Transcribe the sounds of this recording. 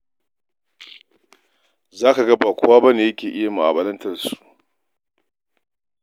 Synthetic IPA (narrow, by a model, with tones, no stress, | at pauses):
zaː˦ka˨ɡɐ˦ba˨kʷʰʊ˦waː˦bɐ˦neː˨jɐ˦kʲeː˨ʔɪ˦ja˨mu˨ʔa̰˨bɐ˨lɐ˦ntʰɐ˨rsu̥˨ʔ